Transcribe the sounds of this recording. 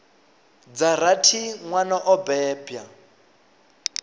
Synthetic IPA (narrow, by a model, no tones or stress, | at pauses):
d͡zaɾatʰiŋwanaʔɔbɛːbja